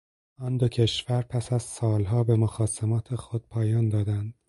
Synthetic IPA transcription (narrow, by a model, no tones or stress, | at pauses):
ɒːnd̪ocʰe̞ʃvæɾpʰæsæz̥sɒːlɦɒːbe̞moxɒːsemɒːt̪ʰe̞xo̞d̪̥̚pʰɒːjɒːnd̪ɒːd̪ænd̪̥